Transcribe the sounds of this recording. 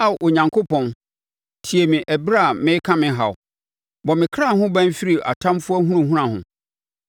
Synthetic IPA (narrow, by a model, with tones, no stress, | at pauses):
a˦˨wʔo˨ɲã˨ŋkʰo˦pʰɔ̃˨n | tʰi˨e˨mĩ˨ʔɛ˨bɾa˦˨mɪ̃˦kʰã˦mɪ̃˦ɦa˨w | bɔ˨mɪ̃˨kʰɾa˦˨hʊ̃˦bã˦n˦fi˦ɾi˨ʔa̰˨tʰã˦mfʊ˦ɔ˦hũ˦ɾũ˨ɦũ˦ɾã˨hʊ̰̃˨